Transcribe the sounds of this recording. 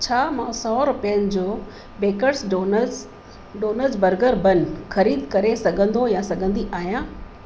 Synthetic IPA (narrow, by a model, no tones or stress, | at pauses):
t͡ɕʰaːmãsɔːɾʊpijənɪ̆d͡ʑoː | beːkəɾson | ɖoːnəɾzbɐɾɡəɾbɐn̆xɐɾiːd̪ʱkɐɾesɐɡʱə̃nd̪ojãsɐɡʱə̃nd̪iʔaːɦijãː